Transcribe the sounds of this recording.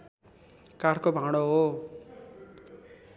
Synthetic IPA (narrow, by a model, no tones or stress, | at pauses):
kaɾkobʱaɽ̃oɦo